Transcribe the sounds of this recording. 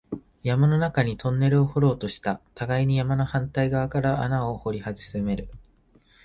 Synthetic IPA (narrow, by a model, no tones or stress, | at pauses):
jamano̞nakaɲ̟it̪õ̞nːe̞ɾɯ̟o̞ho̞ɾo̞ːt̪o̞ɕi̥t̪at̪aɡaiɲ̟ijamanohãnt̪aiɡaβakaɾaʔanaoho̞ɾʲihaʑɨ̥sɨme̞ɾɯ̟